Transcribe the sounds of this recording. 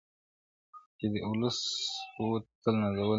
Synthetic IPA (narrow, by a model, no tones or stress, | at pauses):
ked̪əʔʊləsot̪əlnazawə